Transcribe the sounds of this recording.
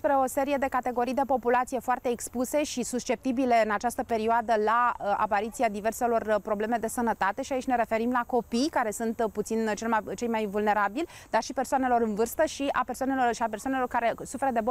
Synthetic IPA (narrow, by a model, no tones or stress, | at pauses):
spɾe̞o̞se̞ɾije̞d̪e̞kat̪e̞ɡo̞ɾijd̪e̞po̞pulat̪sije̞foart̪e̞ːkspuse̞ʃisust͡ʃe̞p̚t̪ibile̞ɨnat͡ʃast̪əpe̞ɾioad̪əlaa̰paɾit̪siad̪ive̞rse̞lo̞rpɾo̞ble̞me̞d̪e̞sənət̪at̪e̞ʃiait͡ʃʲne̞ɾe̞fe̞ɾimlako̞pijkaɾe̞sunt̪put̪sint͡ʃe̞lmajt͡ʃe̞jmajvulne̞ɾabilʲd̪arʃipe̞rsoane̞lo̞ɾɨnvɨrst̪əʃiʔa̰persoanelo̞rʃiapersowane̞lo̞rkaɾe̞sufe̞ɾəd̪ebo